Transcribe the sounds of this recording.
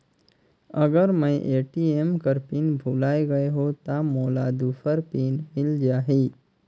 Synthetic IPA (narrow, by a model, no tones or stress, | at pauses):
əɡəɾmə̃j̃ʔeːʈiːemkəɾpiːnbʱulaːeɡɐeɦot̪amoːlaːd̪uːfʰəɾpiːnmɪld͡ʒaːɦiː